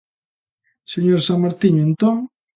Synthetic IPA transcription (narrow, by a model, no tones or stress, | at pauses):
seɲoɾsaŋmaɾt̪iɲoent̪oŋ